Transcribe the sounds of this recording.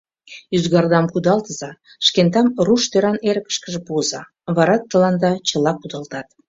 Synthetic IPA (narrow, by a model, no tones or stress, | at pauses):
yzɣɑrd̪ɑmkud̪ɑlt̪əzɑ | ʃkent̪ɑmruʃt̪øɾɑneɾəkə̥ʃkəʒə̆puəzɑ | βɑɾɑt̪ːə̆lɑnd̪ɑt͡ɕə̆lɑkud̪ɑlt̪ɑt̪